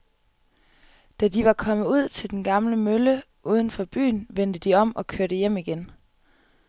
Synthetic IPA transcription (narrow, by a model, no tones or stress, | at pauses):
d̥æd̥iʋɑ̈kʰɒ̽mðˠuð̞̰ˠt͡sʰe̝ld̥enɡ̥ɑ̈mləmølə | ʔuːð̞ˠən̩fɒ̽b̥y̰ːnʋen̰d̥əd̥iɒ̽m̰ɒ̽kʰøɐ̰ɾ̥əjem̰iɡ̥en